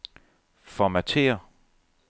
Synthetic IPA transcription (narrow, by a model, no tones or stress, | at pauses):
fɒmæt͡sʰe̝̰ːɐ